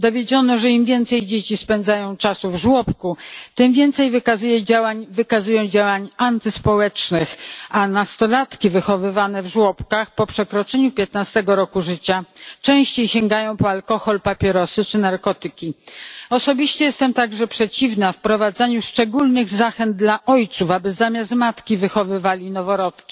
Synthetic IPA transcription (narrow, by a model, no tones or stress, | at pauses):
d̪ɔvʲjed͡ʑɔnɔʐɛimvʲjɛnt̪sɛjd͡ʑet͡ɕispɛnd̪zajɔ̃w̃t͡ʂasuvʐwɔpkut̪ɘmvʲjɛnt̪sɛjvɘkazujɛd͡ʑawaɲvɘkazujɔ̃w̃d͡ʑawaɲant̪ɘspɔwɛt͡ʂnɘxanast̪ɔlat̪kʲivɘxɔvɘvanɛvʐwɔpkaxpɔpʂɛkɾɔt͡ʂɛɲupʲjɛt̪nast̪ɛɡɔɾɔkuʐɘt͡ɕat͡ʂɛ̃w̃ɕt͡ɕejɕɛŋɡajɔ̃w̃pɔalkɔxɔlpapʲjɛɾɔsɘt͡ʂɘnaɾkɔt̪ɘkʲiɔsɔbʲiɕt͡ɕɛjɛst̪ɛmt̪aɡʐɛpʂɛt͡ɕivnafpɾɔvad̪zaɲuʂt͡ʂɛɡulnɘɣzaxɛnd̪̚d̪laʔɔjt̪sufabɘzamʲjas̬t̪mat̪kʲivɘxɔvɘvalʲinɔvɔɾɔt̪kʲi̥